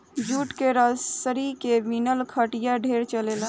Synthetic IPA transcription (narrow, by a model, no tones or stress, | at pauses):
juʈkeɾəsəɾikeminəlkʰəʈjaɖʱeɾt͡ʃəlel